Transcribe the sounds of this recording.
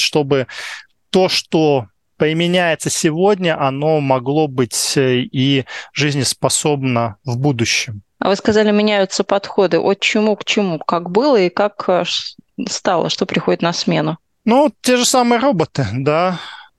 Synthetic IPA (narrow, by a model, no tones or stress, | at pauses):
ʂt̪o̞bɨ | t̪oʂt̪o | pəɪmʲɪnʲæjɪt̪səsʲɪvo̞dʲnʲəʔɐno̞mɐɡlˠo̞bɨtʲiʐɨzʲnʲɪspɐso̞bnəvbud̪ʊɕːɪm | ɐ̰vɨskɐzalʲɪmʲɪnʲæjʊt̪səpɐt̪xo̞d̪ɨʔot͡ɕɪmukt͡ɕɪmukakbɨlˠəikakʂst̪ɑlˠə̰ʂt̪opɾʲɪxo̞dʲɪt̪nɐsmʲe̞nʊ | nuttʲːe̞ʐɨsamɨjəɾo̞bət̪ɨd̪a